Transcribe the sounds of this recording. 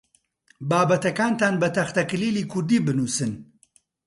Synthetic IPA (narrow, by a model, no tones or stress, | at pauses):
baːbɐt̪ɐkaːnt̪aːnbɐt̪ɐxt̪ɐklilikud̪ibɨnusɨn